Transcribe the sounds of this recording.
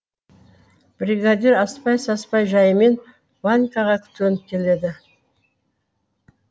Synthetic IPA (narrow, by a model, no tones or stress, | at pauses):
b̥ɾʲiɡad̪ʲiɾɑspɑjsɑspɑjʒɑjəme̞n | banʲkɑʁɑkʲʰʏ̥t̪ɵnɪp̚kʲʰe̞le̞d̪ɪ